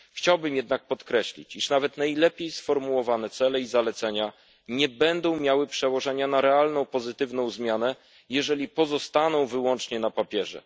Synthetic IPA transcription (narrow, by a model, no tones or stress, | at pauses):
xt͡ɕawbɘmjɛd̪nak̚pɔt̪kɾɛɕlʲḭt͡ɕiʂnavɛt̪najlɛpʲjejsfɔɾmuwɔvanɛt̪sɛlɛizalɛt̪sɛɲa | ɲɛbɛnd̪ɔ̃w̃mʲjawɘpʂɛwɔʐɛɲanaɾɛalnɔ̃w̃pɔzɘt̪ɘvnɔ̃w̃zmʲjanɛ | jɛʐɛlʲipɔzɔst̪anɔ̃w̃vɘwɔnt͡ʂɲɛnapapʲjɛʐɛ̰